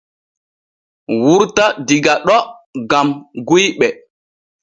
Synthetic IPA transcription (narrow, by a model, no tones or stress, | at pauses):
wuɾtadiɡaɗɔɡamɡujɓɛ